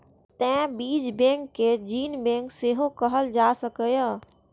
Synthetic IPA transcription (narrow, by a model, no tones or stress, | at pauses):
t̪ɛ̃biːd͡ʒbẽːŋkːed͡ʒiːnbẽːŋkseɦokəɦəld͡ʒaːsəkəjaː